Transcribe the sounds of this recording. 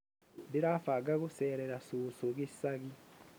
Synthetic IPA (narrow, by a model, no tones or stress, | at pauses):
diɾaːfaɡaɣoseːɾeɾasuːsoɣisaɣi